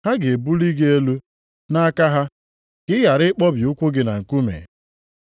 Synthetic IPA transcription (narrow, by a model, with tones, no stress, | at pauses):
ha˦ɡe˨e˨bu˦li˦ɡe˦e˦lu˦ | na˦a˦ka˦ɦa˦ | ɡ̥ɪ˦ja˨ɾɪ˦k͡pɔ˦bjʊ˦kʷʊ˦ɡɪ˦na˨ŋ̩˨ku˦mḛ˨